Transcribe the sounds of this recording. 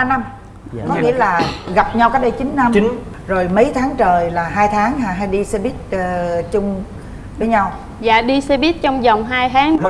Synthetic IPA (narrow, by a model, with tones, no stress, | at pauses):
na˧m | kɔ˨˩ŋḭ˧˨əlaː˨˩ɣa˨˩p̚ɲa˧wkaː˦˥k̚ɗə˧jt͡ɕï˨˦nːa˧m˨ | zo˨˩jmə˨˦jt̪ʰaː˨˦ŋt͡ɕəː˨˩jlaː˨˩ɦaː˧jt̪ʰaː˨˦ŋhaː˧˩ɦaː˧jɗi˧sɛ˧ɓi˦˥t̚ːt͡ɕʊ˧ŋ͡m | vəː˨˦jɲa˧w | za̰ː˧˨ɗi˧sɛ˧ɓi˦˥t̚t͡ɕɔ˧wŋ͡mza˨˩wŋ͡mɦaː˧jt̪ʰaː˨˦ŋ˧˦